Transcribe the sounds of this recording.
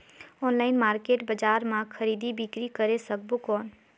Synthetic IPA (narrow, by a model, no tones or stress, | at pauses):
ɔːnlaːɪnmaːɾkeːʈbəd͡ʒaːɾmãkʰəɾiːd̪ibɪkɾikəɾesək̚bokɔːn